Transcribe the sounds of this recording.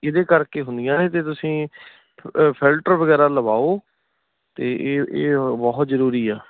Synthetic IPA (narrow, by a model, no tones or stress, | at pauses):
ɪd̪eːkəɾkeːɦʊnd̪ɪjãːnẽːt̪eːt̪ʊsĩː | pʰɪlʈəɾʋəɡɛːɾaːləbaːoː | t̪eːʔːeːbɔɦt̪zəɾuːɾiːɛː